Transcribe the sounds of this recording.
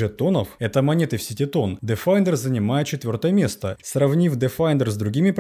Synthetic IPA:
ɛt̪onəfɛt̪əmɐnʲet̪ɨfsʲitʲɪt̪o̞nd̪ɨfajnd̪ərzənʲɪmajɪt̪̚t͡ɕɪt̪vʲo̞rt̪əjəmʲe̞st̪əsrɐvnʲifd̪ɨfajnd̪ərzd̪ɾʊɡʲimʲɪp

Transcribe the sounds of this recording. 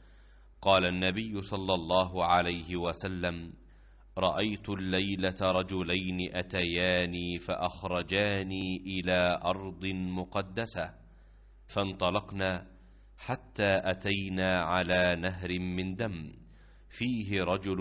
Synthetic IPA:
qɑːlanːabɪjːʊsˤɑlːɑlˤːɑːɦʊʕalajɦɪwasalːam | ɾˤɑʔajt̪ʊlːajlat̪aɾˤɑd͡ʒʊlajnɪʔat̪ajaːniːfaʔaxɾˤɑd͡ʒaːniːʔɪlaːʔɑɾˤd̪ˤɨnmʊqɑd̪ːasa | fɑnt̪ˤɑlɑqnaː | ħat̪ːaːʔat̪ajnaːʕalaːnaɦɾɪmɪnd̪am | fiːɦɪɾˤɑd͡ʒʊl

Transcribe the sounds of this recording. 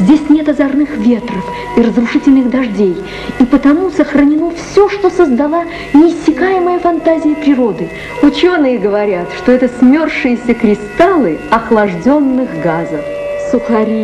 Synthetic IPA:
zʲdʲesʲnʲe̞t̪ɐzɐrnɨxvʲe̞t̪rəf | irəzrʊʂɨtʲɪlʲnɨɣd̪ɐʐdʲej | ipət̪ɐmusəxrənʲɪno̞fsʲoʂt̪o̞səzd̪ɐlˠa | nʲɪːsʲːɪkajɪməjəfɐnt̪azʲɪjəpɾʲɪɾo̞d̪ɨ | ʊt͡ɕo̞nɨjəɡəvɐɾʲat̪ʂt̪o̞ɛt̪əsmʲo̞rʂɨjɪsʲəkɾʲɪst̪alˠɨɐxlˠɐʐdʲo̞nːɨxɡazəf | sʊxɐɾʲi

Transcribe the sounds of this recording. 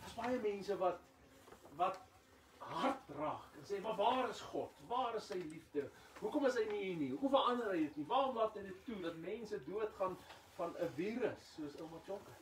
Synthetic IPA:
d̥əːsbɐjəmɛnsəvɐt̚ | vɐt̚ | ɦɐrt̚rɑːkənsɛːmɐvɑːɾəsχɔtvɑːɾəsːəjlifdə | ɦukɔməsɦəjniiniuɦufəlɐndəɾɦəjdətnivɑːɾɔmlɑːtəjdəttudɐtmɛnsəduətχɐn | fɐnəviːɾəsːuəsəlˠmət͡ʃɔŋkə

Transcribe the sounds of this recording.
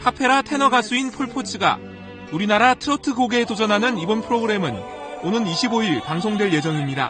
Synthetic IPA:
pʰapʰe̞ɾatʰe̞nʌɡas͈ʰuinpʰoɭpʰot͡ɕʰiɡa̰ | uɾinaɾatʰɯɾʌtʰɯɡoɡe̞tod͡ʑʌnɦanɯnibʌnpʰɯɾoɡɯɾe̞mɯn | onɯniɕʰiboiɭpaŋsʰoŋdwe̞ɭje̞d͡ʑʌŋimɲida̰

